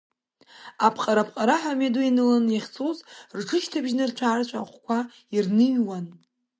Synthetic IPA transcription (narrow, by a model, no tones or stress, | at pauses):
apʰqʼaɾapʰqʼaɾaħameduinɨlanjaχʲt͡sʰʼozrʈ͡ʂʰɨʃtʰabʒnɨrt͡ɕʷʰaːrt͡ʃʷʰʼa̰χʷkʷʰa | irnɨɥwan